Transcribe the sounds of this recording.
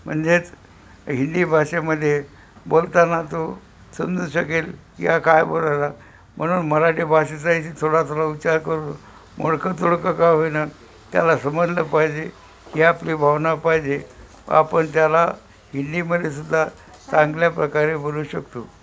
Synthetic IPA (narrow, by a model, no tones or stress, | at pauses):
m̤ə̰ɳd͡zet͡s | ɦind̪iːbʱaɕeməd̪ʱːje | bolt̪anat̪o | sənd̪əɕəkel | jakajbolala | m̤əɽ̃uːnməɾaʈibʱaɕet͡saɦitit̪ʰoɽat̪ʰoɽaut͡ɕaɾkəɾuːn | mʔo̰ɽkət̪oɽkəkajɦojna | t̪ja̰lasəməd͡zləpaɦid͡ʑe | kiapliːbʱaʋnapaɦid͡ʑe | a̰pəɳt̪jala | ɦind̪iməd̪ʱːjesud̪ʱːa | t͡saŋɡljapɾəkaɾeboluːɕəkt̪o